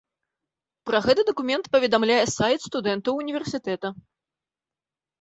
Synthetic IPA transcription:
pɾɐɣɛt̪ɨd̪ɐkumʲɛnt̪pɐvʲɛd̪amlʲajɛsajt̪st̪ud̪ɛnt̪ɐwunʲivʲɛrsʲit̪ɛt̪ɐ

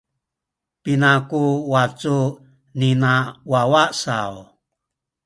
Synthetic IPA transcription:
pinakuwat͡su | ninawawasa̰w

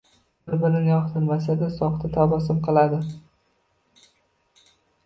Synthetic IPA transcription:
ɾbɪnɪnjɒχt̪ʰɪɾmasad̪asɒχt̪ʰat̪ʰabɒsɪmqʰɨlˠad̪ɪ

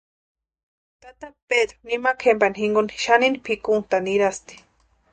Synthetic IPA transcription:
t̪at̪ak̚ped̪ɾonimakʰembanixiŋɡoni̥ʃaninipʰikunt̪aniɾast̪i̥

